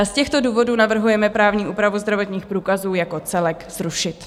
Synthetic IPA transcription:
scɛxt̪o̞duːvo̞duːnavr̩ɦujɛmɛpɾaːvɲiːʔuːpɾavuzd̪ɾavo̞t̪ɲiːxpɾuːkazuːjako̞t͡sɛlɛkz̥ɾuʃɪt̪

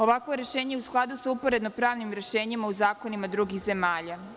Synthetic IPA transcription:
o̞ʋakʋo̞ɾe̞ʃe̞ːɲeeusklˠad̪usaupoɾe̞d̪nopɾaːʋnimɾe̞ʃe̞ːɲimauzaːko̞nimad̪ɾuɡixze̞maːʎa

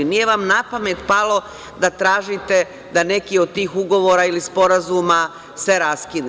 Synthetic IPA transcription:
nije̞ʋamnapamet̪palˠo̞ | d̪at̪ɾaːʒit̪e̞ | d̪ane̞kiod̪̚t̪iːxuɡo̞ʋo̞ːɾailispo̞ɾazuːma | se̞ɾaskin

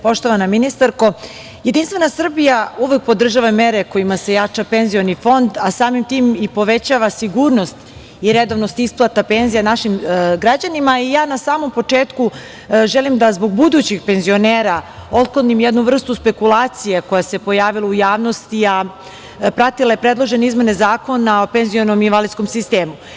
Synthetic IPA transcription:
po̞ʃt̪o̞ʋanaminist̪aɾko̞ | jed̪inst̪vʋe̞nasr̩bijauʋek̚po̞d̪r̩ʒaʋame̞ɾeko̞jimase̞jat͡ʂape̞nzijo̞nifo̞nd̪asaːmimt̪iːmipo̞ʋet͡ɕaʋasiɡuːɾno̞st̪ | iɾed̪oʋnost̪isplˠat̪apenzijanaʃimɡɾad͡ʑanimaijaːnasaːmo̞mpo̞t͡ʂeːt̪ku | ʒelimd̪azbo̞ɡ̚bud̪ut͡ɕiɡpe̞nzio̞neːɾao̞t̪̚klod̪nimjed̪nuvr̩st̪uspe̞kulˠaːt̪sijeko̞jase̞po̞jaːʋilˠaujaːʋno̞st̪ia | pɾat̪ilˠaje̞pɾed̪lˠo̞ʒe̞neizme̞ne̞zaːko̞nao̞penzijo̞nominʋalid̪sko̞msist̪eːmu

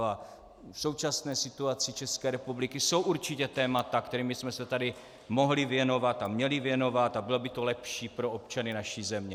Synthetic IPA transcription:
a | fso̞wt͡ʃasnɛːsɪt̪uat͡sɪt͡ʃɛskɛːɾɛpublɪkɪso̞wʔuɾt͡ʃɪcɛt̪ɛːmat̪akt̪ɛɾiːmbɪsmɛsɛt̪adɪ | mo̞ɦlɪvjɛno̞vat̪amɲɛlɪvjɛno̞vat̪abɪlobɪt̪o̞lɛpʃiːpɾo̞ʔop̚t͡ʃanɪnaʃiːzɛmɲɛ

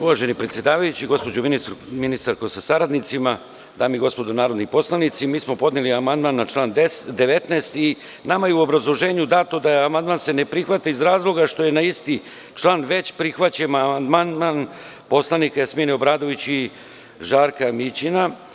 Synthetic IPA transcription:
uʋaʒe̞nipɾet̪sje̞d̪aːʋajut͡ɕiɡo̞spo̞d͡ʑominist̪ɾuminist̪aɾkosasaɾad̪nit̪sima | d̪aːmiɡo̞spo̞d̪onaːɾo̞d̪nipo̞slˠanit̪simiːsmo̞po̞d̪niliamand̪manːat͡ʃlˠaːnd̪e̞ʋe̞t̪neːst̪i | namajeuo̞bɾazlˠo̞ʒe̞ːɲud̪at̪od̪ajeamand̪maːnse̞ne̞pɾixʋat̪aizɾaːzlˠo̞ɡaʃt̪o̞je̞naist̪i | t͡ʃlˠaːnʋe̞t͡ɕpɾixʋat͡ɕemamand̪manman | po̞slˠanikajasminiobɾaːd̪o̞ʋit͡ɕi | ʒaːɾkamit͡ɕina

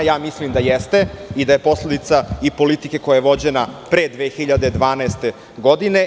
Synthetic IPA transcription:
jaːmislimd̪ajest̪e̞id̪aje̞po̞sle̞d̪it̪saipo̞lit̪ike̞ko̞jajeʋo̞d͡ʑe̞napɾed̪ʋeːxiʎad̪ed̪ʋaːnaest̪e̞ | ɡo̞d̪ine̞

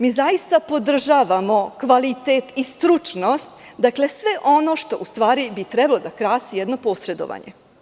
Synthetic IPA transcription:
miːzajist̪apo̞d̪r̩ʒaːʋamo̞kʋalit̪et̪ist̪ɾut͡ʃnost̪ | d̪akle̞sʋe̞ʔo̞no̞ʃt̪o̞ʔust̪ʋaːɾibit̪ɾɛbalod̪akɾaːsijɛd̪no̞po̞sɾe̞d̪o̰ʋa̰ɲḛ

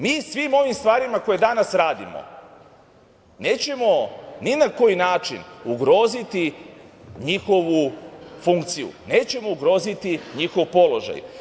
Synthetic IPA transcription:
miːsʋimo̞ʋimst̪ʋaːɾimako̞jed̪anasɾaːd̪ḭmo̰ | ne̞ːt͡ɕe̞mo̞ninako̞jinaːt͡ʃḭnuɡɾo̞ːzit̪i | ɲixo̞ʋufuŋkt̪sijṵne̞ːt͡ɕe̞mo̞uɡɾo̞ːzit̪iɲixo̞ʋpo̞lo̞ʒa̰j

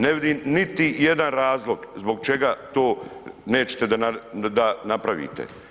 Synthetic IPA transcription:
neʋid̪imnit̪ije̞d̪anɾaːzlˠo̞ɡzbo̞ɡ̚t͡ʃe̞ɡat̪oːne̞ːt͡ɕe̥t̪ed̪aad̪anapɾaʋḭːt̪ḛ

